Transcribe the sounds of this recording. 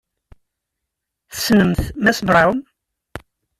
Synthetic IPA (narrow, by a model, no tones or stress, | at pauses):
θsnəmθmæsbɾˤam